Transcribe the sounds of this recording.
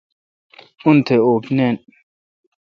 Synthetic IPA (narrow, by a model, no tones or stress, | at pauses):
untʰeopnɛn